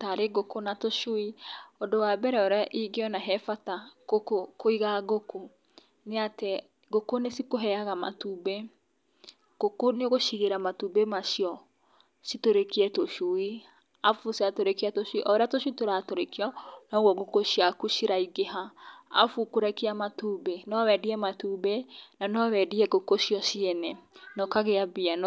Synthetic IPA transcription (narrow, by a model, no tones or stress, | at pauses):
taɾeɡokonatoʃuiɔdowabɛɾɛɔɾaʔiɡeɔnaɦɛfatakokokoiɣaɡoko | neate | ɡokonesikoɦɛaɣama̰tube | ɡ̥okoneoɣoʃiɣeɾamatubemaʃiɔ | sitoɾekiɛtoʃui | afuseatoɾekeatoʃuiʔɔoɾeatoʃitoɾatoɾekiɔnɔɣwɔɣokoʃiakuʃiɾaiɡeɦaa̰fukoɾɛkiamatubenɔwɛdiɛmatubenanɔwɛdiɛɡokoʃijɔʃiɛnɛnɔkaɣeabian